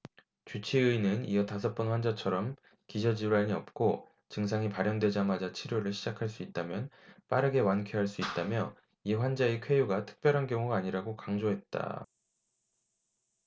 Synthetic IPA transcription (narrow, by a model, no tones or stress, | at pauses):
t͡ɕut͡ɕʰiɯinɯnijʌtasʰʌp͈ʌnɸwand͡ʑat͡ɕʰʌɾʌm | kid͡ʑʌd͡ʑiaɲiʌp̚k͈o | t͡ɕɯŋs̬ʰaŋipaɾjʌŋdwe̞d͡ʑamad͡ʑat͡ɕʰiɾjoɾɯɭɕʰid͡ʑakʰaɭs͈uit̚t͈amjʌn | p͈aɾɯɡe̞wankʰeɦaɭs͈uit̚t͈amjʌ | iɸwand͡ʑaekʰwe̞juɡatʰɯ̥k̚p͈jʌɾɦankjʌŋuɡaːɲiɾaɡokaŋd͡ʑoɦe̞t̚t͈a̰